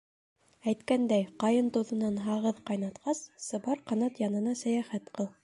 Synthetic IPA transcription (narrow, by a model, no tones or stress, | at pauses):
æjt̪kænd̪æjqɑjɤnt̪ŏwðɤ̆nɑnɦɑʁɤðqɑjnɑt̪qɑsːɤ̆bɑɾqɑnɑt̪jɑnɤ̆nɑsæjæχæt̪qɤlˠ